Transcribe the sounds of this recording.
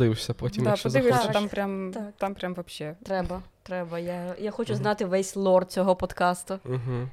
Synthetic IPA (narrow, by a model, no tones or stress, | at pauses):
ɪʋwʃsʲɐpɔtʲimd̪apɔd̪ɪʋɪʃsʲɐampɾʲamt̪at̪ampɾʲamʋɐpʃɛt̪ɾɛbɐt̪ɾɛbɐjajaxɔt͡ʃʊznɑt̪ɪʋɛsʲlˠɔrt͡sʲɔɦɔpɔt̪kɑst̪ʊɦ̩